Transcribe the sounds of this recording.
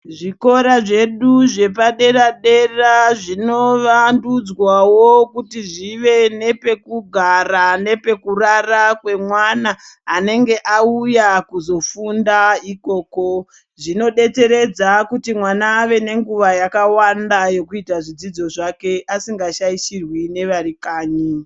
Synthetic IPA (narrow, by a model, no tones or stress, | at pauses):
ʐiko̞ɾaʐe̞ɗuʐe̞paɗe̞raɗe̞raʐino̞ʋandud͡zwawokutiʐiʋe̞ne̞pe̞kuɡʱarane̞pe̞kurarakwe̞mwanaːne̞ŋɡe̞ʔaujakuzo̞fundaiko̞ːko̞ | ʐino̞ɗe̞te̞ɾe̞d͡zakutimwanaːʋe̞ne̞ŋɡuʋajakawandajo̞kuitaʐid͡zid͡zo̞ʐake̞ʔasiŋɡaʃaiʃirwine̞ʋaɾikaːɲi